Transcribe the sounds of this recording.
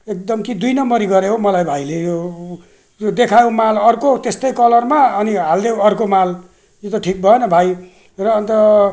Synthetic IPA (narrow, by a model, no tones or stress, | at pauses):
ek̚d̪ʌmkid̪ujnʌmbʌɾiɡʌɾeɦomʌlajbʱajlejo | d̪ekʰajõwmalʌrkot̪est̪ʌjkʌlʌrmaʌniɦald̪ewʌrkomal | jot̪ʌʈʰik̚bʱʌenʌbʱaj | rʌːnt̪ʌ